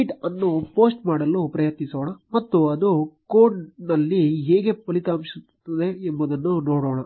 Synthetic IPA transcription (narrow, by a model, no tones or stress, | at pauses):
ʈɐnːupoːsʈmaːɽɐlːupɾɐjɐt̪nisoːɳɐmɐt̪ːuɐd̪ukoːɖnɐlːiɦeːɡepɐlit̪aːmsu | t̪ːɐd̪e̞ːmbɐd̪ɐnːunoːɽoːɳɐ